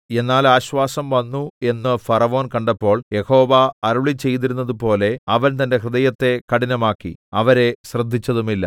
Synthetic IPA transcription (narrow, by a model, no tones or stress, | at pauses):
e̞nːaːlaːɕʋaːsɐmʋɐnːue̞nːɨfɐrɐʋo̞ːnkɐɳɖɐpːo̞ːɭje̞ho̞ːʋɐɐɾuɭit͡ɕːe̞jt̪iɾunːɐðupo̞ːle̞ɐʋɐnt̪ɐnde̞krɨðɐjɐt̪ːe̞kɐɽinɐmaːkːiɐʋɐɾe̞ɕrɐd̪ʱːit͡ɕːɐðumilːɐ̰